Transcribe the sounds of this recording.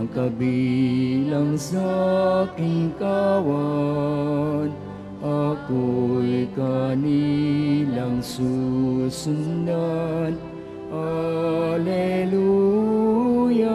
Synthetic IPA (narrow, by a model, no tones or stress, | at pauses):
kɐbi | lɐŋsakiŋkawa | n | akojkani | lɐŋsusunːan | a | lelu | ja